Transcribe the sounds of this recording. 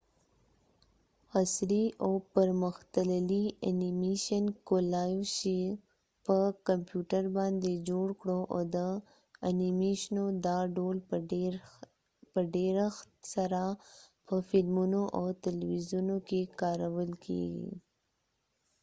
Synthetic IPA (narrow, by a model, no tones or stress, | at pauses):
asɾiʔapəɾməxt̪əlalianimeʃənkolɑjwʃi | pəkampjuʈəɾbɑnd̪ed͡ʒoɽkɽoʔad̪ə | animeʃnod̪ɑɖol | pəɖeɾaxt̪saɾapəfɪlmunoʔawt̪alwizunokekɑɾawəlkʰḛɡḭ